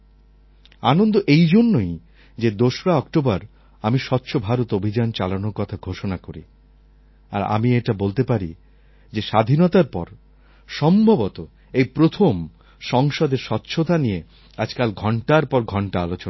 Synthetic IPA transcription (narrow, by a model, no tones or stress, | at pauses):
anond̪oʔejd͡ʑonːoj | d͡ʑed̪oʃɾaɔkʈobaɾ | amiʃɔtːɕʰobʱaɾot̪obʱid͡ʑant͡ɕalanoɾkɔt̪ʰaɡʱoʃonakoɾḭ | a̰ɾa̰mieʈabolt̪epaɾḭ | d͡ʑeʃad̪ʱinɔt̪aɾpɔ̰ɾ | ʃɔmbʱobot̪o | ejpɾot̪ʰom | ʃɔŋʃod̪eɾʃɔt̪ːɕʰot̪anije | ad͡ʑkalɡʱɔɳʈaɾpɔɾɡʱɔɳʈaalot͡ɕona